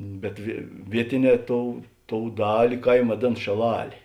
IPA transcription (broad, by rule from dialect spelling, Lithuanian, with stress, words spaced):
bʲɛt ʋʲiɛ ˈʋʲiɛtʲɪˌnʲɛː ˈtoːʊ ˈtoːʊ ˈdɑːlʲɪ ˈkɐɪm ʋɐˈdʲeːn ʃʲeːˈlˠɑːlʲeː